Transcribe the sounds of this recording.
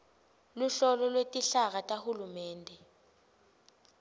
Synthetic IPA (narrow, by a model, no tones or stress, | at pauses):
luɬɔlɔlwetʼiɬaɣ̬atʼahulumɛːndʱɛ